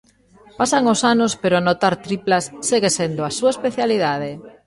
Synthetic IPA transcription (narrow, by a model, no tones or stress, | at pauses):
pasaŋosanospeɾoanot̪aɾt̪ɾiplasːeɣesend̪oasuaespeθjaliðað̞e